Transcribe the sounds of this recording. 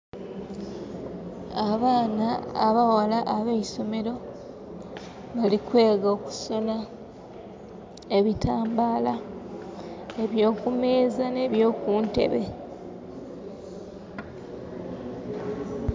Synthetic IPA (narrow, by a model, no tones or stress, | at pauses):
aβaːnaːβawalaʔaβeiso̞me̞ɾo̞ | βalikwe̞ːɡoːku̥so̞na | eβitʰaːmbaːla | e̞βjo̞ːkume̞ːzane̞βjo̞ːkuːnte̞̰βe̞